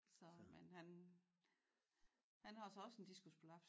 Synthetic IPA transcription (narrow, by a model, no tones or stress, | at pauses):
sɒ̽menɦæn | hænhɑ̈æsɒɒ̽send̥isɡ̥uspʰolɑb̥